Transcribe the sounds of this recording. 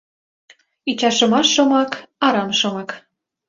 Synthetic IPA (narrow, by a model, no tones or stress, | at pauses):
it͡ɕɑʃɤ̆mɑʃːomɑkɑɾɑmʃɤ̆mɑk